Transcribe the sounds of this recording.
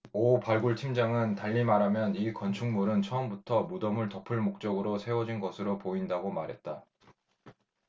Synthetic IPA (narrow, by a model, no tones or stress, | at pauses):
opaɭɡuɭtʰimd͡ʑaŋɯntaʎːimaɾamjʌnikʌnt͡ɕʰuŋmuɾɯnt͡ɕʰʌʌmbutʰʌmudʌmɯɭtʌpʰɯɭmok̚t͡ɕ͈ʌɡɯɾosʰe̞wʌd͡ʑinɡʌsʰɯɾopoindaɡomaɾɦe̞t̚t͈a